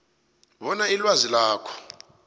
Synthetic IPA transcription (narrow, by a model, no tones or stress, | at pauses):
βɔnailwazilaːkʰɔ̥